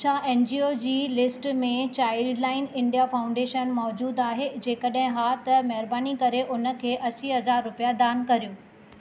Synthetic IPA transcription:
t͡ɕʰãʔeːnd͡ʑiːoːd͡ʑiːlɪsʈmẽt͡ɕaːɪlɖlaːɪnɪ̃ɳɖijafaːʊ̃ɳɖeːʃənmɔːd͡ʑuːd̪aːɦed͡ʑeːkɐɗɦɪ̃ɦaːt̪ɐmɐɦɪɾbaːnikɐɾeʔʊnə̆kʰeːʔɐsiɦɐzaːɾːʊpijad̪aːnkɐɾijũː

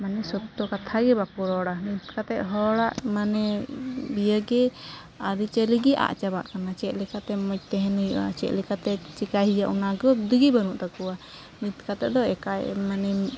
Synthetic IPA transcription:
manɛsɔt̪ːɔkat̪ʰaɡɛbakɔɾɔɽanit̪̚kat̪ɛʔ̪ɦɔɽaʔmanɛbijəɡɛ | aɾit͡ʃeliɡiʔa̰ʔt͡ʃabaʔkanat͡ʃɛt̪̚lɛkat̪ɛmɔc̚t̪ɛɦɛnuja̰t͡ʃɛt̪lɛkat̪ɛt͡ʃikaɦijaʔunaɡəd̪uɡibənuʔd̪akuwa | nit̪kat̪ɛʔd̪ɔɛkajmanɛ

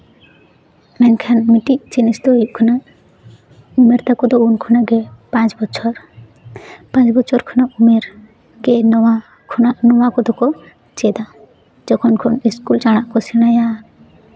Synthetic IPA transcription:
mɛnkʰanmiʈit͡ʃinisd̪oikʰuna | umeɾt̪akɔd̪ɔunkʰunaɡepãt͡ʃbɔt͡ʃʰɔɾ | pãt͡ʃbɔt͡ʃʰɔɾkʰunaumeɾ | kena | kʰnanɔwakɔd̪ɔkɔ | t͡ʃed̪a | d͡ʒɔkʰɔnkʰɔniskult͡ʃaɽ̃akɔsinaja

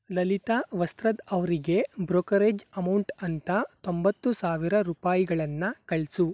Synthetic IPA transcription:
lɐlit̪aːʋɐst̪ɾɐd̪ɐʋɐɾiɡe̞bɾoːkɐɾeːd͡ʒɐmɐwɳʈɐnt̪ɐt̪o̞mbɐt̪ːusaːʋiɾɐɾuːpaːjiɡɐɭɐnːɐkɐɭsu

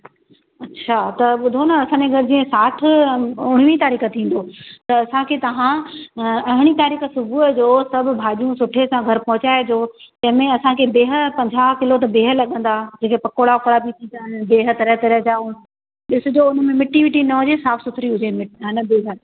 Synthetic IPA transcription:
ɐtːɕʰat̪ɐɓʊd̪ʱonɐɐsãːɲeɡʱɐɾɪd͡ʑiːə̃saːʈ̆ʰʊɽ̃ɪʋit̪aːɾiːxət̪ʰĩːn̆d̪oːt̪ɐːsãkʰeːt̪ɐʋ̤ã | ɐɦɪɽ̃it̪aːɾiːxə̆sʊbʱuəd͡ʑoːsɐbʱʊ̆bʱaːʄjũsʊʈʰesãɡʱɐɾpɐɦʊ̃t͡ɕaːed͡ʑoːt̪ɐ̃ɦɪ̃mẽɐsãkʰeːbeːɦə̆pɐ̃ɲd͡ʑʱaːɦkɪlot̪̬ɐbeːɦəlɐɠə̃n̆d̪ad͡ʑeːkepɐkoːɽaʊkɐɾabit̪ʰĩd̪anbeːɦə̆t̪ɐɾəɦt̪ɐɾəɦd͡ʑaːʊn | ɗɪsʊd͡ʑoːʊnəmẽmɪʈiʋɪʈinɐɦʊ̃d͡ʑesaːfʰsʊt̪ʰɾiɦʊd͡ʑemɪɦɐnɐbeːɦə

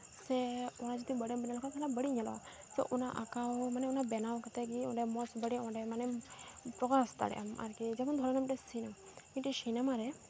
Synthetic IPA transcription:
sɛɔnad͡ʒɔt̪ibəɽɛmbɛnalɔkʰaalabəɽiɲalɔ̰a̰ | sɛ̰ʔunaʔakawmanɛunabɛnawkat̪ɛɡiɔ̰ɖɛmɔsbəɽɛɔ̃ɖɛmanɛpɾɔɡast̪a̰ɽɛ̰ʔa̰ma̰ɾkid͡ʒɛmɔnd̪ʱɔɾanamiʈɛsinammiʈɛʃinamaɾɛ

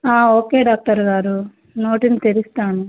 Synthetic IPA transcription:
aːo̞ːkeːɖaːk̚ʈɐɾɡaːɾu | no̞ːʈinit̪eɾist̪aːnu

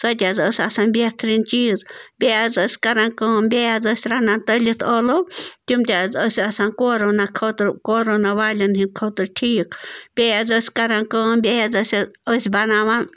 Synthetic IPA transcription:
sat̪ʲazəsʲasanbjet̪ʰɾint͡ʃid͡zbʲead͡zəsʲkaɾaŋkəmbʲead͡zəsʲɾanant̪əlʲit̪ʰəlot̪ʲumt̪ʲad͡zəsʲasankoɾonakʰot̪ɾkoɾonaβalʲənɦinkʰot̪ɨɾʈʲʰikʰb̥ʲead͡zəsʲkaɾankəmbʲead͡zəsʲəsʲbanaβan

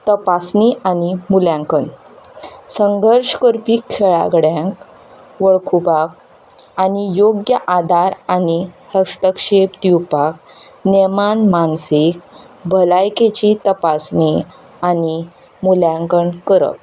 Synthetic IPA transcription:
t̪əpasniʔanimuljãŋkən | səŋɡʱəɾʂkəɾpikʰːeɭa̰ɡɽjãŋk | ʋəɭkʰubak̚ | anijoɡjəʔad̪aɾanihəst̪əkɕepd̪iwpak̚ | nemanmansik̚ | bʱəlajket͡ɕit̪əpasni | ani | muljãŋkəɳkəɾə̰k̚

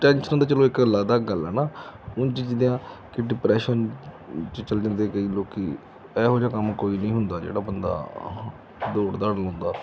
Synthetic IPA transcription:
ʈɛːnʃənãːd̪aːt͡ʃəlõːɪkəlːaːd̪aːɡəlɛːnaːʊnt͡ʃid͡ʒɪd̪ejãːkɪɖɪpɾɛːʃən | t͡ʃət͡ʃəld͡ʒãːnd̪ekəiːloːkiː | ɛːɦoːd͡ʒaːkəmkoːiːnəĩːɦʊnd̪aːd͡ʒḛːɽaːbənd̪a̰ː | d̪oːɽd̪aːɽəlɔ̃ːnd̪aː

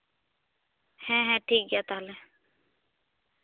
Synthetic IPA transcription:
hɛ̃ːɦɛ̃ːʈʰiːk̚ɡaːt̪aɦəleː

